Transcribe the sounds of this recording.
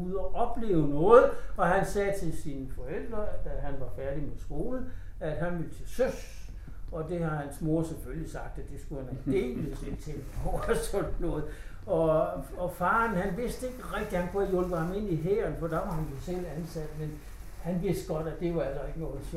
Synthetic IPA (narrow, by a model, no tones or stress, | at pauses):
uðˠɒʔɒ̽b̥le̝̰ːʊnɔ̽ːð̩ˠɒ̽ɦænsɛːt͡sʰe̝lsinəfɒ̽el̰d̥ʁɐd̥æɦænʋɑ̈fæɐd̥imesɡ̥o̝ːlə | æd̥ɦænʋelt͡sʰe̝søs | ɒ̽d̥e̝hɑ̈hænsmo̝ɐseføljisɑ̈ɡ̥̚d̥ædd̥e̝sɡ̥uhænædd̥e̝̰ːlselt͡sʰeŋɡ̥ɒʊæsɒ̽n̥nɔ̽ːð̩ˠ | ɒ̽ɒ̽fɑ̈ːnhænʋe̝sd̥əe̝ɡ̥əʁɛɡ̥̚d̥ihænkʰuæjɔlb̥əhɑ̈me̝n̰iɦeːɐnfɒ̽d̥ɑ̈ʋɑ̈hænjo̝sel̰ænsæd̥men | hænʋe̝sd̥ɡ̥ɒ̽d̥æd̥e̝ʋɑ̈æl̰sɐe̝ɡ̥ənɔ̽ːð̩ˠs